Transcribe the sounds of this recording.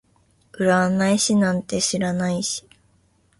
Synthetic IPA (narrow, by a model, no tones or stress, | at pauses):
ɯ̟ɾanaiɕinãnt̪e̞ɕiɾanaiɕi̥